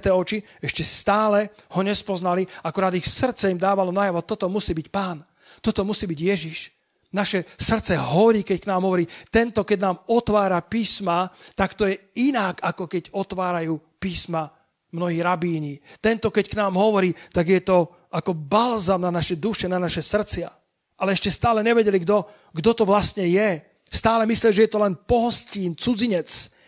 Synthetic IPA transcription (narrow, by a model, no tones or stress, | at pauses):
t̪ɛːɔt͡ʃi | ɛʃcɛst̪aːlɛhɔɲɛspɔznaliakuɾaːd̪ixsr̩tt͡sɛimd̪aːʋalɔnajaʋɔt̪ɔt̪ɔmusiːbicpaːn | t̪ɔt̪ɔmusiːbiɟjɛʒiʃ | naʃɛsr̩t͡sɛɦɔɾiːkɛcknaːmɦɔʋɔɾiːt̪ɛnt̪ɔkɛɟnaːmɔt̪ʋaːɾapiːsmat̪akt̪ɔjɛinakakɔkɛɟɔt̪ʋaːɾajuːpiːsma | mnɔɦiːɾabiːɲit̪ɛnt̪ɔkɛcknaːmɦɔʋɔɾiːt̪aɡjɛt̪ɔ | akɔbalzamnanaʃɛd̪uʃɛnanaʃɛsr̩t͡sɪa | ʔalɛɛʃcɛst̪aːlɛɲɛʋɛɟɛliɡd̪ɔ | ɡd̪ɔt̪ɔʋlast̪ɲɛjɛ | st̪aːlɛmisliaʒɛjɛt̪ɔlɛnpɔɦɔsciːnt͡sud͡ziɲɛt͡s